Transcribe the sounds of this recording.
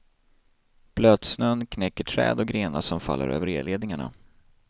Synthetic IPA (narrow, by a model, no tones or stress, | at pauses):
b̥løːd̪snœnːkʰnɛkːəʈʰɾɛ̰ːd̪ɔɡɾeːnasɔmfa̰lːə̰ɾø̰ːvəɾeːd̪leːd̪nɪŋaɳa̰